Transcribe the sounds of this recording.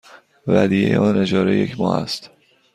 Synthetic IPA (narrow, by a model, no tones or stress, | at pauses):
væd̪iːjḛjeʔɒːned͡ʒɒːɾeje̞cʰmɒ̰ːʔæ̰st̪